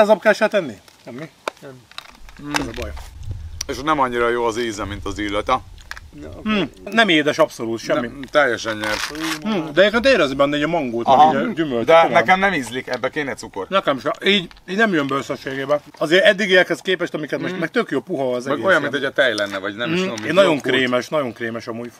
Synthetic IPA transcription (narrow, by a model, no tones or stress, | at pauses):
zɒpkɛlʃɛlt̪ɛnːiʃɛmːi | ɛzɒbɒj | eʃnɛmɒɲːiɾɒjoːɒziːzɛmint̪ɒzilːɛt̪ɛ | nɛmeːd̪ɛʃɒpso̞luːt̪ʃɛmːit̪ɛjːɛʃɛɲɲɛr̩ː | d̪ɛjeɾkeːnt̪eːɾɛznibɛnːɛiːɟɒmɒŋɡoːlt̪mɛɡiːɟɟymøld̪ɛmnɛmkɛmnɛmizlikɛbːɛkeːnɛsukornɛkɛmʃɛʔiːɟ | iːɟnɛmjømbɛøsøʃːeːɡeːbɛɒzeːɾɛd̪ːiɡeɛkhɛskeːpɛʃt̪ɒmikɛt̪moʃmɛk̚t̪økjoːpuɦɒɒzɛɛɡojɒmːinojɒt̪ɛjlɛnːɛvɒɟnɛmomienɒɟo̞ŋkɾeːmɛʃnɒɟo̞ŋkreːmɛʃɒmuːjf